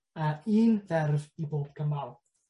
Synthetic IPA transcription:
aiːnðɛrviboːb̥̚kʰəmalˠ

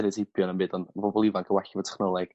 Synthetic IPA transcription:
ɾɨsɪpʰjɔnənbɨːdɔnvɔbɔlˠivankʰəwɛɬɪvɔtʰɛ̥χnɔlˠɛɡ̥

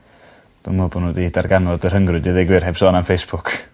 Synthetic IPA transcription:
d̥ʊmɔbɔnuːdiːdarɡanɔdərhəŋɡrʊdiðɪɡwɪrhebsɔːnamfejsb̥ʊkʰ

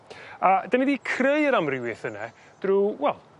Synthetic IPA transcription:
ədanidikʰreɨəɾamrɪwɨθənɛ | d̥ruwɛlˠ

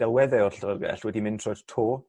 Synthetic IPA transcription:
ɛlˠwɛðɛɔrɬəɾərɡɛ̰ɬwɛdimɪ̃ntʰr̥ɔjd̥tʰoː

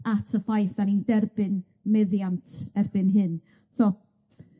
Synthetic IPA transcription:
atʰəfajfd̥anindɛrbɨn | mɛðjantʰɛrbɨnɦɨn | θɔ

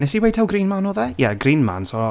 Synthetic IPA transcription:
nɛsiwejtʰawɡriːnmanɔːðɛjɛɡriːnma̰nsɔ

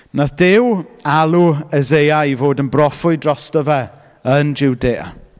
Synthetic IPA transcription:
naθd̥ɪwalˠuɛzejaivoːdənbrɔfʊɨdrɔstɔvɛ | ənd͡ʒɪwdeːa̰

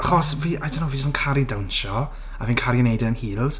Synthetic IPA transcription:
aχɔsviːʔajdɛnowvid͡ʒəstənkʰaɾidawnʃɔ | aviːnkʰaɾjənejdənhiːlˠz̥

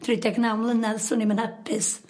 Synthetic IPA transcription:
d̥ʰrɪdɛɡnawmlˠənɛðsʊnimənhɛpʰɪs

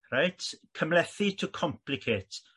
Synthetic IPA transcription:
rajtʰkʰəmlɛθitʰəkʰɔmpʰlɪkʰet

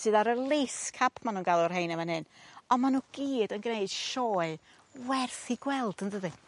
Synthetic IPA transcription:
sɨːðaɾəlˠeskʰapʰmanuːnɡ̥alˠʊrɦejnəmanhɨnɔnmanuɡ̥iːdənɡnejd̥ʃɔːɨ | wɛrθiɡwɛlˠd̥əndəðɨ

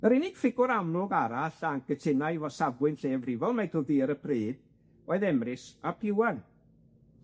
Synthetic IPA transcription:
əɾɪnɪɡ̥fɪɡʊɾamlˠʊɡaɾaɬaŋɡ̥ətʰɪnajvɔsavwɪnɬeːəvrɪvɔlˠmɛjdʊðiːəɾəpʰriːd̥ | oːɨðɛmrɪsapʰɪwan

